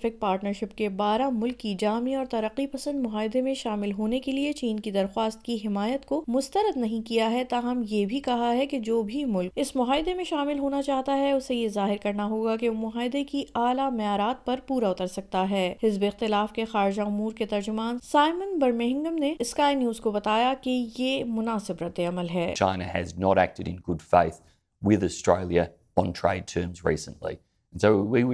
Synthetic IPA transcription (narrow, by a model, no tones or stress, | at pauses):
fɪk̚paːɾʈnəɾʃɪpkebaːɾamʊlkːid͡ʒaːmiɔːɾt̪ɐɾəqːipɐsə̃nd̪mʊɦaːɪd̪emẽʃaːmɪlɦoːnekeliet͡ʃiːnkid̪ɐɾxwaːst̪̚kiɦɪmaːjət̪komʊst̪əɾəd̪nɐɦĩkijaɦɛt̪aːɦɐmjebʱikɐɦaɦɛked͡ʒoːbʱimʊlkɪsmʊɦaːɪd̪emẽʃaːmɪlɦoːnat͡ʃaːɦt̪aɦɛʊsejezaːɦɪɾkɐɾnaɦoːɡakemʊɦaːɪd̪ekiaːlamɛjaːɾaːt̪̚pɐɾpuːɾaʊt̪əɾsɐk̚t̪aɦɛːhɪzbeɪxt̪ɪlaːfkexaːɾɪd͡ʒaʊmuːɾket̪ɐɾd͡ʒʊmaːnsaːɪmənbɐɾmeɦɪ̃ŋɡəmneɪskaːɪnjuːzkobɐt̪aːjakejeːmʊnaːsɪbɾɐt̪ːeɐməlɦɛːt͡ʃʰã̰ɪ̃nɨɨ̰znəɾæ̰k̚tɨɾɨ̰̃nɡʊd̥fḛɪθ | wɪðɨstɹ̥ḛɪlˠjɨ | ə̃ntʰɹ̥eɪd̚tʰɜ̃˞mzɹḭsə̃nlḭ | n̩soʊwiw